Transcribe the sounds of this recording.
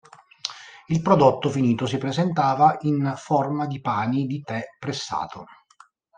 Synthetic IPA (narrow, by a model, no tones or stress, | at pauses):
ilpɾod̪ot̪ːofiniːt̪os̬ipɾezent̪aːvaʔinformad̪ipaːnid̪it̪ɛpːɾesːa̰ːt̪ʰo